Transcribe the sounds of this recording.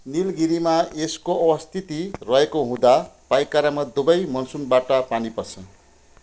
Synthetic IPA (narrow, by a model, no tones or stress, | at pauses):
nilɡiɾimaeskoʔʌwʌst̪ʰit̪irʌɦekoɦũd̪apajkːaɾamad̪ubʌjmʌnsunbaʈʌpanipʌrt͡sʰʌn